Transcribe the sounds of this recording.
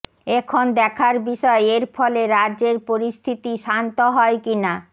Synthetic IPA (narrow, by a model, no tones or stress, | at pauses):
ekʰond̪ɛkʰaɾbiʃɔeeɾfɔleɾadʑeɾpoɾist̪ʰit̪iʃant̪oɦɔekina